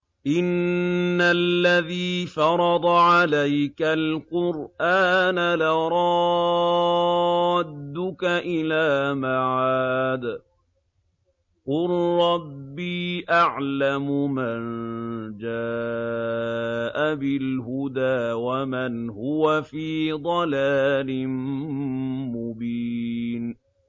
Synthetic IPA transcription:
ʔɪnː | alːaðiːfɑɾˤɑd̪ˤɑʕalajkalqʊɾʔaːnalaɾˤɑ | d̪ːʊkaʔɪlaːmaʕaːd̪ | qʊlɾˤɑbːiːʔaʕlamʊmand͡ʒaː | ʔabɪlɦʊd̪aːwamanhʊwafiːd̪ˤɑlaːlɪn | mʊbiːn

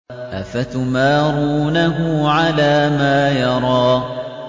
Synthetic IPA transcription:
ʔafat̪ʊmaːɾuːnaɦʊʕalaːmaːjɑɾˤɑː

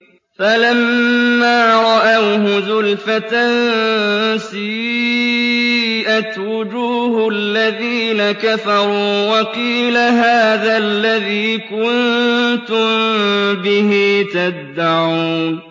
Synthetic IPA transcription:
falamːaːɾˤɑʔawɦʊzʊlfat̪an | sɪj | ʔat̪wʊd͡ʒuːhlːaðiːnakaθɑɾˤuːwɑqiːlaɦaːðalːaðiːkʊnt̪ʊmbɪɦiːt̪ad̪ːaʕuːn

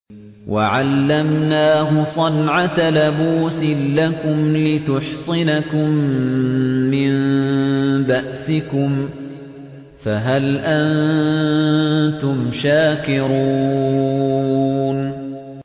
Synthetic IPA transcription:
wʔa̰ʕalːamnaːɦʊsˤɑnʕat̪alabuːsɪlːakʊmlɪt̪ʊħsˤɨnakʊmː | ɪn | baʔsɪkʊm | faɦalʔann | t̪ʊmʃaːkɪɾuː | n

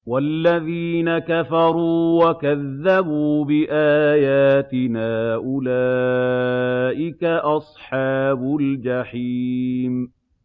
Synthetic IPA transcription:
walːaðiːnakafɑɾˤuːwakaðːabuːbɪʔaːjaːt̪ɪnaːʔʊlaː | ʔɪkaʔɑsˤħɑːbʊld͡ʒaħiːm

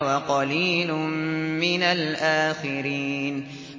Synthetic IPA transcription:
waqɑliːlʊmmɪnalʔaːxɪɾiːn

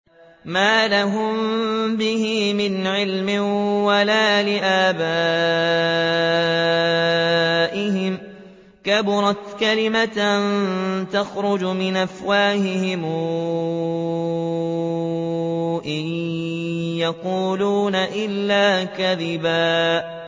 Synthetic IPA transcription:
maːlaɦʊmbɪhiːmɪnʕɪlmɪwalaːlɪʔaːbaː | ʔɪɦɪm | kabʊɾˤɑt̪kalɪmat̪nt̪ɑxɾʊd͡ʒmɪnʔafwaːhɪhɪm | ʔɪ | jɑquːluːnaʔɪlːaːkaðɪbaː

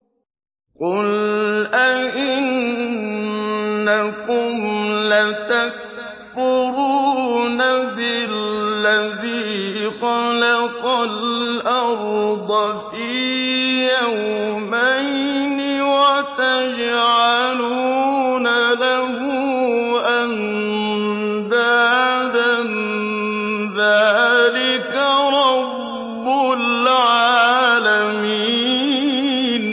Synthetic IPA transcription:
qʊlʔaʔɪn | akʊmlat̪ak | fʊɾuːnabɪlːaðiqɑlaqɔlʔaɾd̪ˤɑf | i | jawmajnɪwat̪ad͡ʒʕaluːnalaɦʊʔan | d̪ad̪an | ðaːlɪkaɾˤɑbbː | ʊlʕaːlami | n

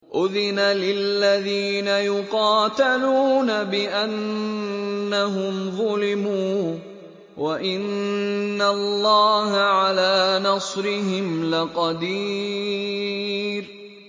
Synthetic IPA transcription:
ʔʊðɪnalɪlːaðiːnajʊqɑːt̪aluːnabɪʔanː | aɦʊmðˤʊlɪmuː | waʔɪnː | alːɑːɦaʕalaːnɑsˤɾɪɦɪmlɪqɑd̪iː | ɾ

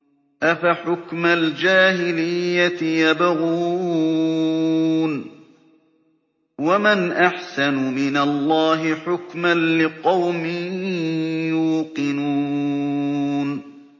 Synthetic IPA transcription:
ʔafaħʊkmald͡ʒaːɦɪlɪjːat̪ɪjabaɣuː | n | wamanʔaħsanʊmɪnalˤːɑːɦɪħʊkmanlɪqɑwmɪː | juːqɨnuː | n

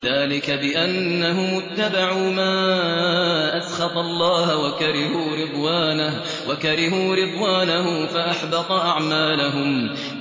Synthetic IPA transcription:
ðaːlɪkabɪʔanːaɦʊmʊt̪ːabaʕuːmaː | ʔasxɑt̪ˤɑlˤːɑːhwakaɾɪhuːɾɨd̪ˤwaːna | wakaɾɪɦuːɾɨd̪ˤwaːnaɦʊmfaʔaħbɑt̪ˤɑʔaʕmaːlaɦʊm

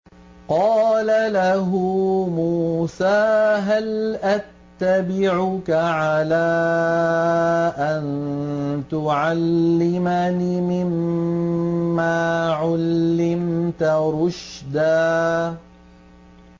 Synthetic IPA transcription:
qɑːlalaɦʊmuːsaːɦalʔat̪ːabɪʕʊkaʕalaː | ʔan | t̪ʊʕalːɪmanimɪm | aːʕalːɪmt̪aɾʊʃd̪aː

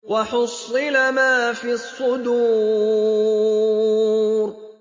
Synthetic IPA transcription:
wɑħʊsˤːɨlamaːfiːɑsˤːʊd̪uː | ɾ

